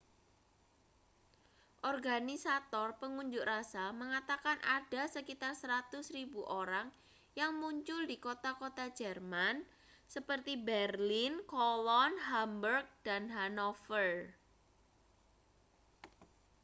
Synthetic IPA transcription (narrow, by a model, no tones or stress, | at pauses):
ʔɔrɡanisat̪ɔrpəŋuɲd͡ʒʊʔrasaməŋat̪akanʔad̥asəkit̪arsəɾat̪ʊsribuʔoɾaŋ | jaŋmuɲt͡ʃʊldikot̪akot̪ḁd͡ʒɛrman | səpərt̪ibɛrlɪnkolɔnɦambərk̚d̥anɦanɔfər